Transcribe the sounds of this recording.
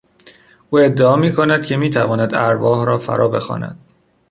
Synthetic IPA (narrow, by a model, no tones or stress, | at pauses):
ʔuːe̞d̪ːeɒːmiːkʰonæd̪̥̚kcʰe̞miːt̪ʰævɒːnæd̪æɾvɒːhɾɒːfæ̰ɾʔɒ̰ːbe̞xɒ̰ːnæ̰d̪̥